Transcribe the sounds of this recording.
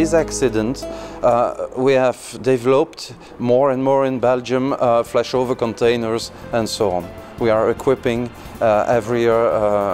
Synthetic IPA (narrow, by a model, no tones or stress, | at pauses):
ɪzæksɪdə̃nt | wiæv̥dɛvɛlop̚t | mɔɹɛ̃nmɔɹɪ̃nbɛld͡ʒə̃mflɛʃovə˞kɔ̃ntʰẽɪ̃nə˞zɛ̃nsoʊɔ̰̃nwiaɹɪkʰw̥ɪpɪ̃ŋ | ʔɛvɹi